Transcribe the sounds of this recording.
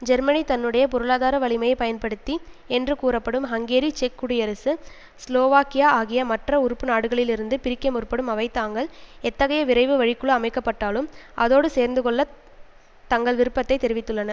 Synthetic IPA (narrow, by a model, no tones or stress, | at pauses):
d͡ʒɛɾmɐnit̪ɐnːɯɽɐjɐpɔɾɯɭaːðaːɾɐʋɐɭɪmɐjɐpɐjɐnpɐɽɯt̪ːiɛndrɯkuːrɐpːɐɽɯmɦɐŋɡeːɾit͡ʃɛkːʊɽijɐɾɐsɯ | sloːʋaːkɪjaːaːɣɪjɐmɐʈrɐʊɾɯpːɯnaːɽɯɣɐɭɪlɪɾɯnd̪ɯpɪɾɪkːɐmʊrpːɐɽɯmɐʋɐɪt̪ːaːŋɡɐɭɛt̪ːɐɣɐjɐʋɪɾɐɪʋɯʋɐɻɪkːɯɭɯɐmɐɪkːɐpːɐʈːaːlɯmʔɐðoːɽɯseːɾnd̪ɯkɔɭːɐ | t̪ɐŋɡɐɭʋɪɾɯpːɐt̪ːɐɪt̪ːɛɾɪʋɪt̪ːɯɭːɐnɐ